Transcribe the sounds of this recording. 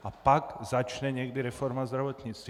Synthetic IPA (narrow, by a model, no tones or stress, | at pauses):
apaɡzat͡ʃɲɛɲɛɡd̪iɾɛfɔɾmazd̪ɾaʋɔt̪ɲiːt͡st̪